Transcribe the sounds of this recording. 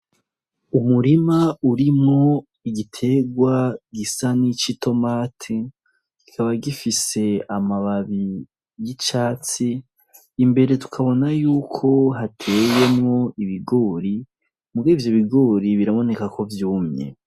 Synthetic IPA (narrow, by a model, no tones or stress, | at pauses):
umuɾimauɾimŋo̞ | iɡitʰe̞ɡwaɡisanit͡ʃitʰo̞maːtʰi | ɡ̥ikʰaβaɡifise̞amaβaβi | jit͡ʃaːt͡siː | mbe̞ɾe̞tu̥kʰaβo̞najuːkʰo̞ɦatʰe̞ːje̞mŋo̞iβiɡoːɾi | muɡivjoβiɡoɾiβiɾamo̞ne̞kakʰo̞vjuːmɲḛ